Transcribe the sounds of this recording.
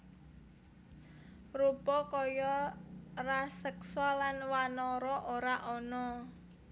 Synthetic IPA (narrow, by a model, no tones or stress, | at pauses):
rupɔkɔjɔ | rasɛkswalanwanɔɾɔʔoɾaʔɔnɔ